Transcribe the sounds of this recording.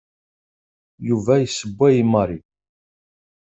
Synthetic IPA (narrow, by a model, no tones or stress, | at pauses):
juvæjəsəbːæjimːəɾˤi